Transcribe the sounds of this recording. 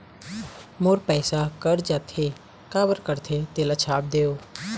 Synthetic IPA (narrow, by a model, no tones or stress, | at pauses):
moɾpɛːsakəɾd͡ʒaːt̪ʰe | kaːbəɾkəɾt̪ʰet̪eːlat͡ʃʰaːp̚d̪eːoː